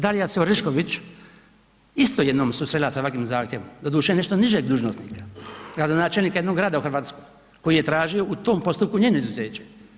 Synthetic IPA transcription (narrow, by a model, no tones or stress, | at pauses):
d̪alijasɛoɾiʃkoʋit͡ʃ | ist̪ojed̪noːmsuːsɾeilasaʋakʋiːmzaːxt̪jeʋomd̪ad̪uːʃeene̞ʃt̪oniʒeːɡd̪uːʒnosnḭːkḁɡɾad̪onaːt͡ʃelniːkajed̪noɡɾaːd̪auxɾrʋaːt̪skoj | ko̞jijet̪ɾaːʒio̞ʔut̪oːmpo̞st̪up̚kuɲeːnoizuzeːt͡ɕe̥